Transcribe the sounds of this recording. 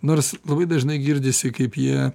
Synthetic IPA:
noːrslˠɐbɐɪd̪ɐʒnɐɪɡʲɪɾʲd̪ʲɪsʲɪkɐɪpjiɛ

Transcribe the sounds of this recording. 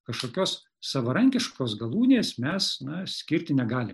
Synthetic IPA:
kɐʃkoːkʲoːs | sɐʋɐɾɐŋʲkʲɪʃkoːsɡɐlˠuːnʲeːsmʲɛsnɐsʲkʲɪɾʲt̪ʲɪnʲɛɡɑːlʲɪ

